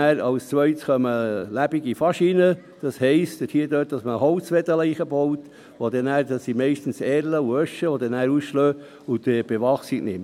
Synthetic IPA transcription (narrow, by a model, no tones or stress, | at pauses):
æːɾɑwst͡sʋœɪsχœməlæb̥iɡifɑʃinə | d̪̥ɑshɛɪstəthiːədøːt̚d̥ɑsməhɔʊt͡sʋɛd̪əlɛɪχəbɔwt | ʋod̪ɛnæːɾdɑsːimɛɪʃtn̩sɛːɾləuœʃəʋod̪ɛnæːɾusʃløː | ʊd̪ɛb̥eʋɑχsiknɪ̰m